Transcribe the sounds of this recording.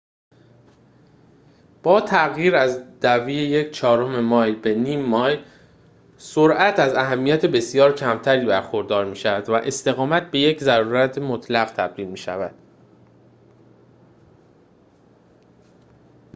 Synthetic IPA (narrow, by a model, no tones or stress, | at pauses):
b̥ɒːt̪ʰæɣjiːɾæzd̪̥æviːjejecʰt͡ʃʰɒːɾo̞me̞mɒːjbe̞niːmːɒːj | soɾʔæt̪ʰæzæɦæmːijæt̪ʰebe̞sijɒːɾcʰæmt̪ʰæɾiːbæɾxo̞ɾd̪ɒːɾmiːʃævæd̪væʔe̞st̪e̞ɣɒːmæt̪̚be̞jeczæɾuːɾæt̪ʰemot̪ʰlæɣt̪ʰæb̥̚d̪iːlmiːʃæ̰væd̪̥